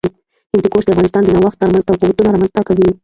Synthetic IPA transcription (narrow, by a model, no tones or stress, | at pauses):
hɪnd̪ekoʂd̪afɣɑnɪst̪ɑnd̪ənawaxt̪ːɑɾmanzt̪awquwat̪unaɾɑmanzt̪akawi